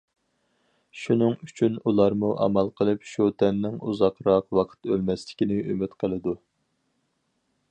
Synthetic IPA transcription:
ʃunɨŋyt͡ʃʰynulˠɑɾmuʔɑ̰mɑlˠqʰəlˠɨpʃut̪ʰɛnːɪŋuzɑqɾɑqwɑqʰə̥t̪ølmɛslɪ̥kʲinɪʔymyt̪qʰəlˠɨd̪u

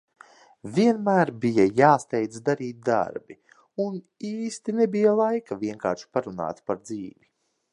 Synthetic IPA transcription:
viɛnmæːɾbijajaːst̪ɛjt̪d̪aɾiːt̪̚d̪a̰ɾbi | un | iːst̪inebijalˠajkaviɛŋka̰ːɾʃi̥paɾuna̰ːt̪paɾd̪ziːvi

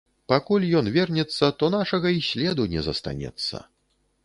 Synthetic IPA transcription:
pakulʲjɔnvʲɛrnʲɛt̪sːɐt̪ɔn̪aʂɐɣɐisʲlʲɛd̪unʲɛzɐst̪a̰nʲɛ̰t̪sːɐ̰

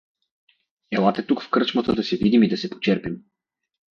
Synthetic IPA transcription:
ɛlˠat̪ɛt̪ukfkɤɾt͡ʃmɐt̪əd̪ɐsɛvid̪imid̪ɐsɛpo̥t͡ʃɛɾpim

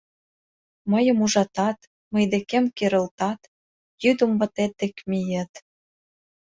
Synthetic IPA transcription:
məjə̆muʒɑt̪ɑt̪ | məjd̪ekemkeɾə̆lt̪ɑt̪ | jyd̪ə̆mvə̆t̪et̪̚ːekmijə̆t̪

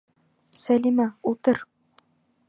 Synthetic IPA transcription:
sælimɑut̪ɤɾ

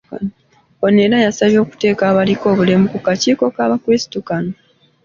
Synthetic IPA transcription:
oneɾajasaβjo̞ːku̥te̞ːkaːβaliko̞ːβule̞mukukaciːko̞kaːβakɾisi̥tukano

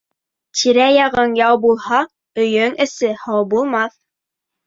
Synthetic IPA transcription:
t̪ʰiɾæjɑʁɤnjɑwbulˠhɑ | ɵ̆jɵŋɘ̆sɘhɑwbulˠmɑθ

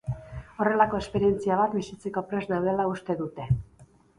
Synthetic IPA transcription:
o̞re̞lako̞e̞spe̞ɾie̞nt͡siaβ̞at̪bisit͡se̞ko̞pɾe̞znawð̞e̞laust̪e̞ðut̪e̞

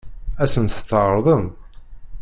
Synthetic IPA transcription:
æsənt̪θəʕɾˤðˤəm

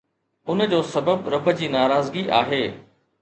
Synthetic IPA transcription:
ʊnəd͡ʑoːsɐbəbɾɐbʱəd͡ʑiːnaːɾaːzɡiʔa̰ːɦeː

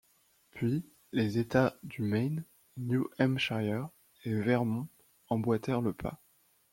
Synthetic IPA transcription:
pɥi | lezet̪ad̪ymɛjn | njuʔɛmʃajɛʁ | evɛʁmɔ̃ | ɑ̃bwat̪ɛʁləpʰa̰

